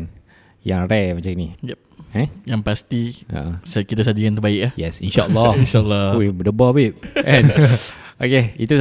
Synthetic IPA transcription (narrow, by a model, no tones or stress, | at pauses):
n | jaŋɾɛmat͡ʃaŋinijɛp̚ɛ̃jaŋpast̪iə̰ʔəsakit̪as̬ad͡ʒikant̪əbaɪk̚ahjɛsinʃaʔə̰lːɔhinʃalːɔubədəbɔbiʔ̚ʔɛ̃nʔokeit̪u